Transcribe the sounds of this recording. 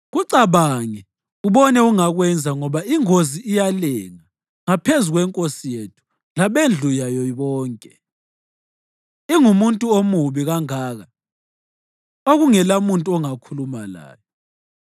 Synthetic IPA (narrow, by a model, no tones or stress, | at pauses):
ɣuǀaβaŋɛ | uβɔnɛuŋaɣwɛnd͡zʱaŋɔβaiŋoziːjalɛŋa | ŋapʰezuɣwɛŋkʼosijetʰu̥ | laβend͡ɮʱujajɔβɔːŋkʼɛ | iŋumuntʼuomuβiɣaŋaːɣa | oɣuŋɛlamuntʼuɔŋakʰulumala̰ːjɔ